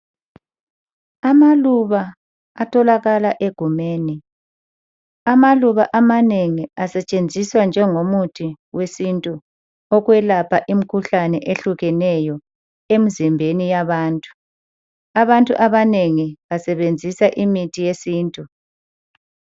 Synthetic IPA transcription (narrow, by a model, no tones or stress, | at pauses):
amaluβa | atʰɔlaɣalaʔeɡ̥ʱumeːni | amaluβaʔamaneŋiasɛt͡ʃʼend͡zʱiswand͡ʒʱɛŋomutʰi | wesintʼu | ɔɣwɛlapʰaʔim̩kʰuɬanɛʔeɬuɣɛnɛjɔ | em̩zimbʱenijaβaːntʼu̥ | aβantʼṵʔaβaneŋiβasɛβend͡zʱisaʔimitʰijesiːntʼu